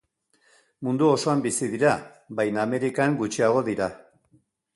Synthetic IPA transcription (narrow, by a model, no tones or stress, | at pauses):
mund̪uoso̞ambisiðiɾa | βajname̞ɾikaŋɡut͡ʃiaɣ̞o̞ðiɾa